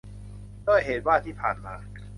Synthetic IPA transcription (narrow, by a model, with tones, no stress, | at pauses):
doː˥˩˨jɦeː˩˦t̪̚waː˥˩t̪ʰiː˥˩pʰa̰ː˨˩nmaː˧